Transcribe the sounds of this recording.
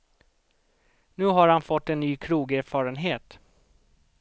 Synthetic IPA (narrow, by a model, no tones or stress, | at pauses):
nʉ̟ːɦaɾhanfɔt̪ːɛnːyːkʰɾuːɡæɾfɑːɾənɦeːt̪